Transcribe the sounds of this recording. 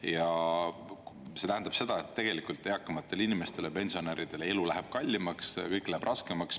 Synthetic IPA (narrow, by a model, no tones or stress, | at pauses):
jɑ | se̞t̪æɦænd̪ɑb̥se̞d̪̥ɑet̪ːe̞ɡ̥e̞likult̪ˑːeɑkːɑmɑt̪ˑːe̞linime̞st̪e̞lepe̞nsio̞neɾid̪̥e̞lelulæɦeb̥̚kɑlʲːimɑkskɤjkːˑlæheb̥rʔɑske̞mɑks